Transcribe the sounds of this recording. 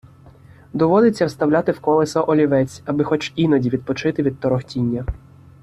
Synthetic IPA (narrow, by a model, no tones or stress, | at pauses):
d̪ɔʋɔd̪ɪt͡sʲːɐwst̪ɐwlʲat̪ɪwkɔlˠesɐʔɔlʲiʋɛt͡sʲɐbɪxɔt͡ʃinɔdʲiʋʲid̪̚pɔt͡ʃɪt̪ɪʋʲid̪t̪ɔɾɔxtʲinʲːɐ